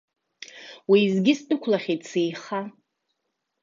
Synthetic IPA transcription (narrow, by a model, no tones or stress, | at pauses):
wiːzɡʲɪstʼʊkʷʰlaχʲetʰʼsejχa